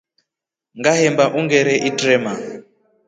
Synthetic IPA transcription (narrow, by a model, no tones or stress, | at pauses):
ŋɡaɦɛmbaʔuŋɡɛɾɛʔitrɛma